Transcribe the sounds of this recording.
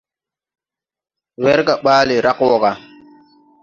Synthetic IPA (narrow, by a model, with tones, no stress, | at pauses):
wɛ˦ɾka˨ɓaː˦le˨ɾa˦kwɔ˨ɡa˨